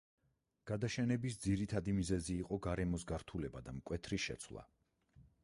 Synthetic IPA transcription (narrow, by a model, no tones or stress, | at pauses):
ɡ̥ad̪aʃɛnɛbisd̪ziɾit̪ʰad̪imizɛziːqʼɔɡaɾɛmɔsɡaɾt̪ʰulɛbad̪amkʼwɛt̪ʰɾiʃɛ̰t̪sʰwlˠa̰